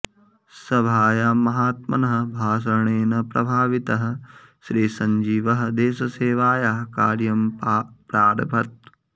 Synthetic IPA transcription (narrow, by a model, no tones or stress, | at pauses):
sɐbʱaːjaːmɐɦaːt̪̚mɐ̰nɐɦɐ̆bʱaːʃ̬ɐɳeːnɐpɾɐ̰bʱaːʋit̪ɐɦɐ̆ʃɾiːsɐɲd͡ʒiːʋɐɦɐ̆d̪eːʃɐseːʋaːjaɦɐka̰ːɾjɐmpɾaːɾbʱɐt̪̚